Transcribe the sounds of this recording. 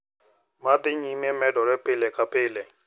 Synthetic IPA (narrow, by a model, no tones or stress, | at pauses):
mad̪ɪɲimemɛdɔɾɛpʼɪlɛkʼapʼeːlɛ